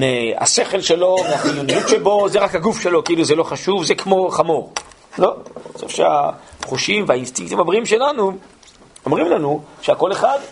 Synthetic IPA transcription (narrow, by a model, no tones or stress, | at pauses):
mea̰se̞χe̞lʃe̞lo̞meafilonijut̪ʃe̞bo̞zeʁakhaɡufʃe̞lo̞keiluzelo̞χaʃuvzekmo̞χamoʁlo̞so̰fʃea̰χuʃimveainst̪iŋkt̪imabʁiimʃe̞lanu | omʁimlanuʃeako̞leχad̪